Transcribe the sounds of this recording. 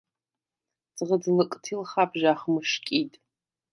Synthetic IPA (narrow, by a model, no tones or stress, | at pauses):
t͡sʼʁəd͡zɨlɨkʼtʰilχapʰʒaːχmɨʂkʲʼitʼ